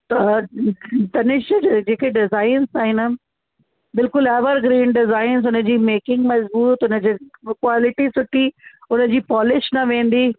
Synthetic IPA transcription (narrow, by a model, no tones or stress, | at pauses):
t̪ | t̪ɐnɪʃd͡ʑeːkeɖɪzaːɪnzaːɦɪnə | bɪlkʊlɛːʋəɾɡɾẽːɳɖɖɪzaːɪnzʊnə̆d͡ʑiːmeːkɪ̃ŋɡmɐzbuːt̪ʊnəd͡ʑeːkwaːlɪʈisʊʈiʊnəd͡ʑiːpɔːlɪʃnɐʋẽːn̆d̪iː